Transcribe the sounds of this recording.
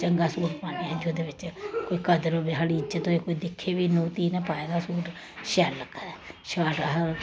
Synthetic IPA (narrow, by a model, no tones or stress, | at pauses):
t͡ʃəŋɡaːsuːʈpaːniːɛːd͡ʒoːd̪eːʋɪt͡ʃkoːiːkəd̪əɾoːbeːɦaːɽiːd͡ʒət̪oːeːkoːiːd̪ɪkʰːeːʋiːnũːt̪iːnɛ̃ːpaːeːd̪aːsuːɾ | ʃɛːləkɛːʃaːɖɦə